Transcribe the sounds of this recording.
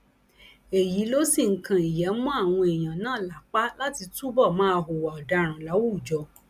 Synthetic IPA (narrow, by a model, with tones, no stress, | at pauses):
e˨ji˨˦lo˦si˦˨ŋ̩˨kã˨i˨jɛ˨˦mũ˦a˦˨w̃ɔ̃˧e˨j̃ã˨nãː˦˨la˨˦k͡pa˦la˦ti˧tu˦bɔ˦˨mã˦˧ɦo˨wa˨ɔ˨da˧ɾ̃ũ˨la˨˦wu˦˨d͡ʒɔ˧